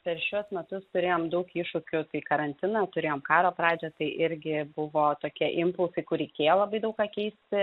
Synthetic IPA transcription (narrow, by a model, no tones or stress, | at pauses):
pʲɛɾʃʲuɔsmʲɛt̪ʊst̪ʊɾʲeːjoːmd̪ɐʊkiːʃʊkʲʊt̪ɐɪkɐɾɐnʲt̪ʲɪnɑt̪ʊɾʲeːjoːmkɑːɾoːpɾɑːd͡ʒʲɛt̪ɐɪʔɪɾʲɡʲɪbʊʋoːt̪oːkʲiɛʔɪmpʊlˠsɐɪkʊrɾʲɛɪkʲeːjoːlˠɐbɐɪd̪ɐʊkɑːkʲɛɪsʲt̪ʲɪ